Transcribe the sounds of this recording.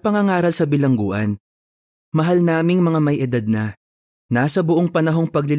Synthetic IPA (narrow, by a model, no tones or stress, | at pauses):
pɐŋɐŋaːɾɐlsɐbɪlɐŋɡuːʔɐn | mɐɦalnaːmɪŋmɐŋamɐjʔɪd̪ad̪̚nɐ | naːsɐbʊʔo̞ŋpɐnɐɦo̞ŋpɐɡlɪl